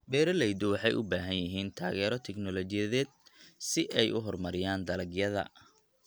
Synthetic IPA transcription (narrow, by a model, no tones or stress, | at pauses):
bɛːɾɐlɛjd̪ʊwɑħɑjʔʊbaːɦɐnjɐɦiːnt̪ʰa̰ːɣɛːɾɔt̪ʰɛɡnɔlɔt͡ʃɪjɐðɛːd̪̚sɪʔɛjʔʊ̰ɦɔrmɐɾɪjaːnd̪ɐlɐɡjɐðɐ̰